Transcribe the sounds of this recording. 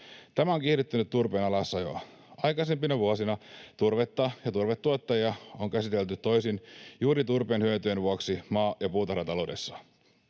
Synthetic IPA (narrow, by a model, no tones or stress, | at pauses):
t̪æmæoŋkiːɾet̪ːynyt̪t̪ːurpe̞ːnɑlɑsːɑjo̰ | ɑjkɑse̞mpinɑʋuosinɑt̪urʋet̪ːɑjɑt̪urʋet̪ːuot̪ːɑjɑoŋkæsit̪e̞lt̪yt̪ːo̞jsinjuːɾit̪urpeːnhyøt̪yjenʋuoksimɑːjɑpuːt̪ɑɾrɑt̪ɑlo̞de̞sːɑ̥